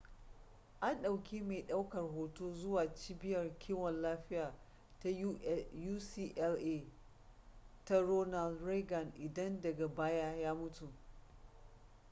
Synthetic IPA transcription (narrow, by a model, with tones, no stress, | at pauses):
ʔa˦nɗa˨wkʲʰiː˦meː˨ɗa˦wkɐ˨rɦoː˦toː˦zʊ˦waː˨t͡ʃiː˦bɪ˦jɐ˨rkʲʰiː˦wɔ˨nlaː˦ɸɪ˦jaː˨ | ta˦juː˦siː˦ʔɛ˦lʔe˦ | ta˦ɾoː˦na˨lɾe˦ɡɐ˨nʔɪ˨dɐ˦ndɐ˨ɡa˨baː˦jaː˦jaː˦mʊ˦tu˨